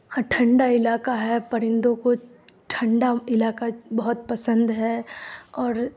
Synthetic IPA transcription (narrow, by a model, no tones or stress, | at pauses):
aʈʰɐ̃ɳɖaɪlaːkaɦɛpɐɾɪ̃nd̪õkoʈʰɐ̃ɳɖaɪlaːkabɐɦʊt̪pɐsə̃nd̪ɦɛɔːɾ